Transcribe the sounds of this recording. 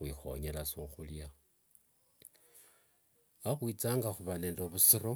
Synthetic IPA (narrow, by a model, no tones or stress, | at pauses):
wiːxo̞̰ɲelasoxulja | axwiːt͡saːŋɡaxuβane̞ːndoβusiɾo